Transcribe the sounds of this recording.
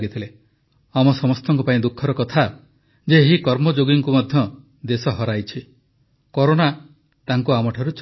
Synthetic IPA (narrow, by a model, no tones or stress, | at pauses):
ɡit̪ʰile | amɔsɔmɔst̪ɔŋkɔpaĩd̪ukʰːɔɾɔkɔt̪ʰa | d͡ʒeɦikɔɾmɔd͡ʒoɡiŋkumɔd̪ʱjɔ | d̪esɔɦɔɾajt͡ʃʰi | kɔɾona | t̪aŋkuamɔʈʰaɾut͡ʃ